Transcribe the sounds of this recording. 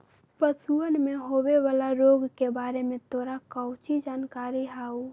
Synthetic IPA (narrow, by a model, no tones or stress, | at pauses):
pəsuənmeɦobeʋalaɾoɡkebaɾemẽt̪oɾakəʊt͡ʃid͡ʒankaɾiɦau